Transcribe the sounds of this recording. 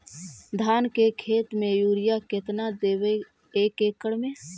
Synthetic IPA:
d̪ʱaːnkekʰeːt̪mẽjuːɾɪjakɪt̪nad̪eːwe | eːkeːkəɽmẽ

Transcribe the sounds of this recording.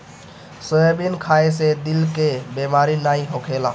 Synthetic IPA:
səebinkʰaesed̪ilkebemaɾinaĩɦokʰela̰

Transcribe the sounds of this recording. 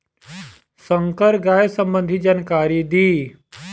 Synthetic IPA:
səŋkəɾɡajsəmbənd̪ʱid͡ʒankaːɾid̪iː

